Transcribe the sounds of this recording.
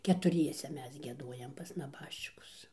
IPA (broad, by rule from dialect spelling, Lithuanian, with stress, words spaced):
kʲɛtʊˈrʲiɛsʲɛ ˈmʲɛs ɡʲiɛˈdoːjɛm pɐs nɐˈbɑːʃʲt͡ʃʲɪkʊs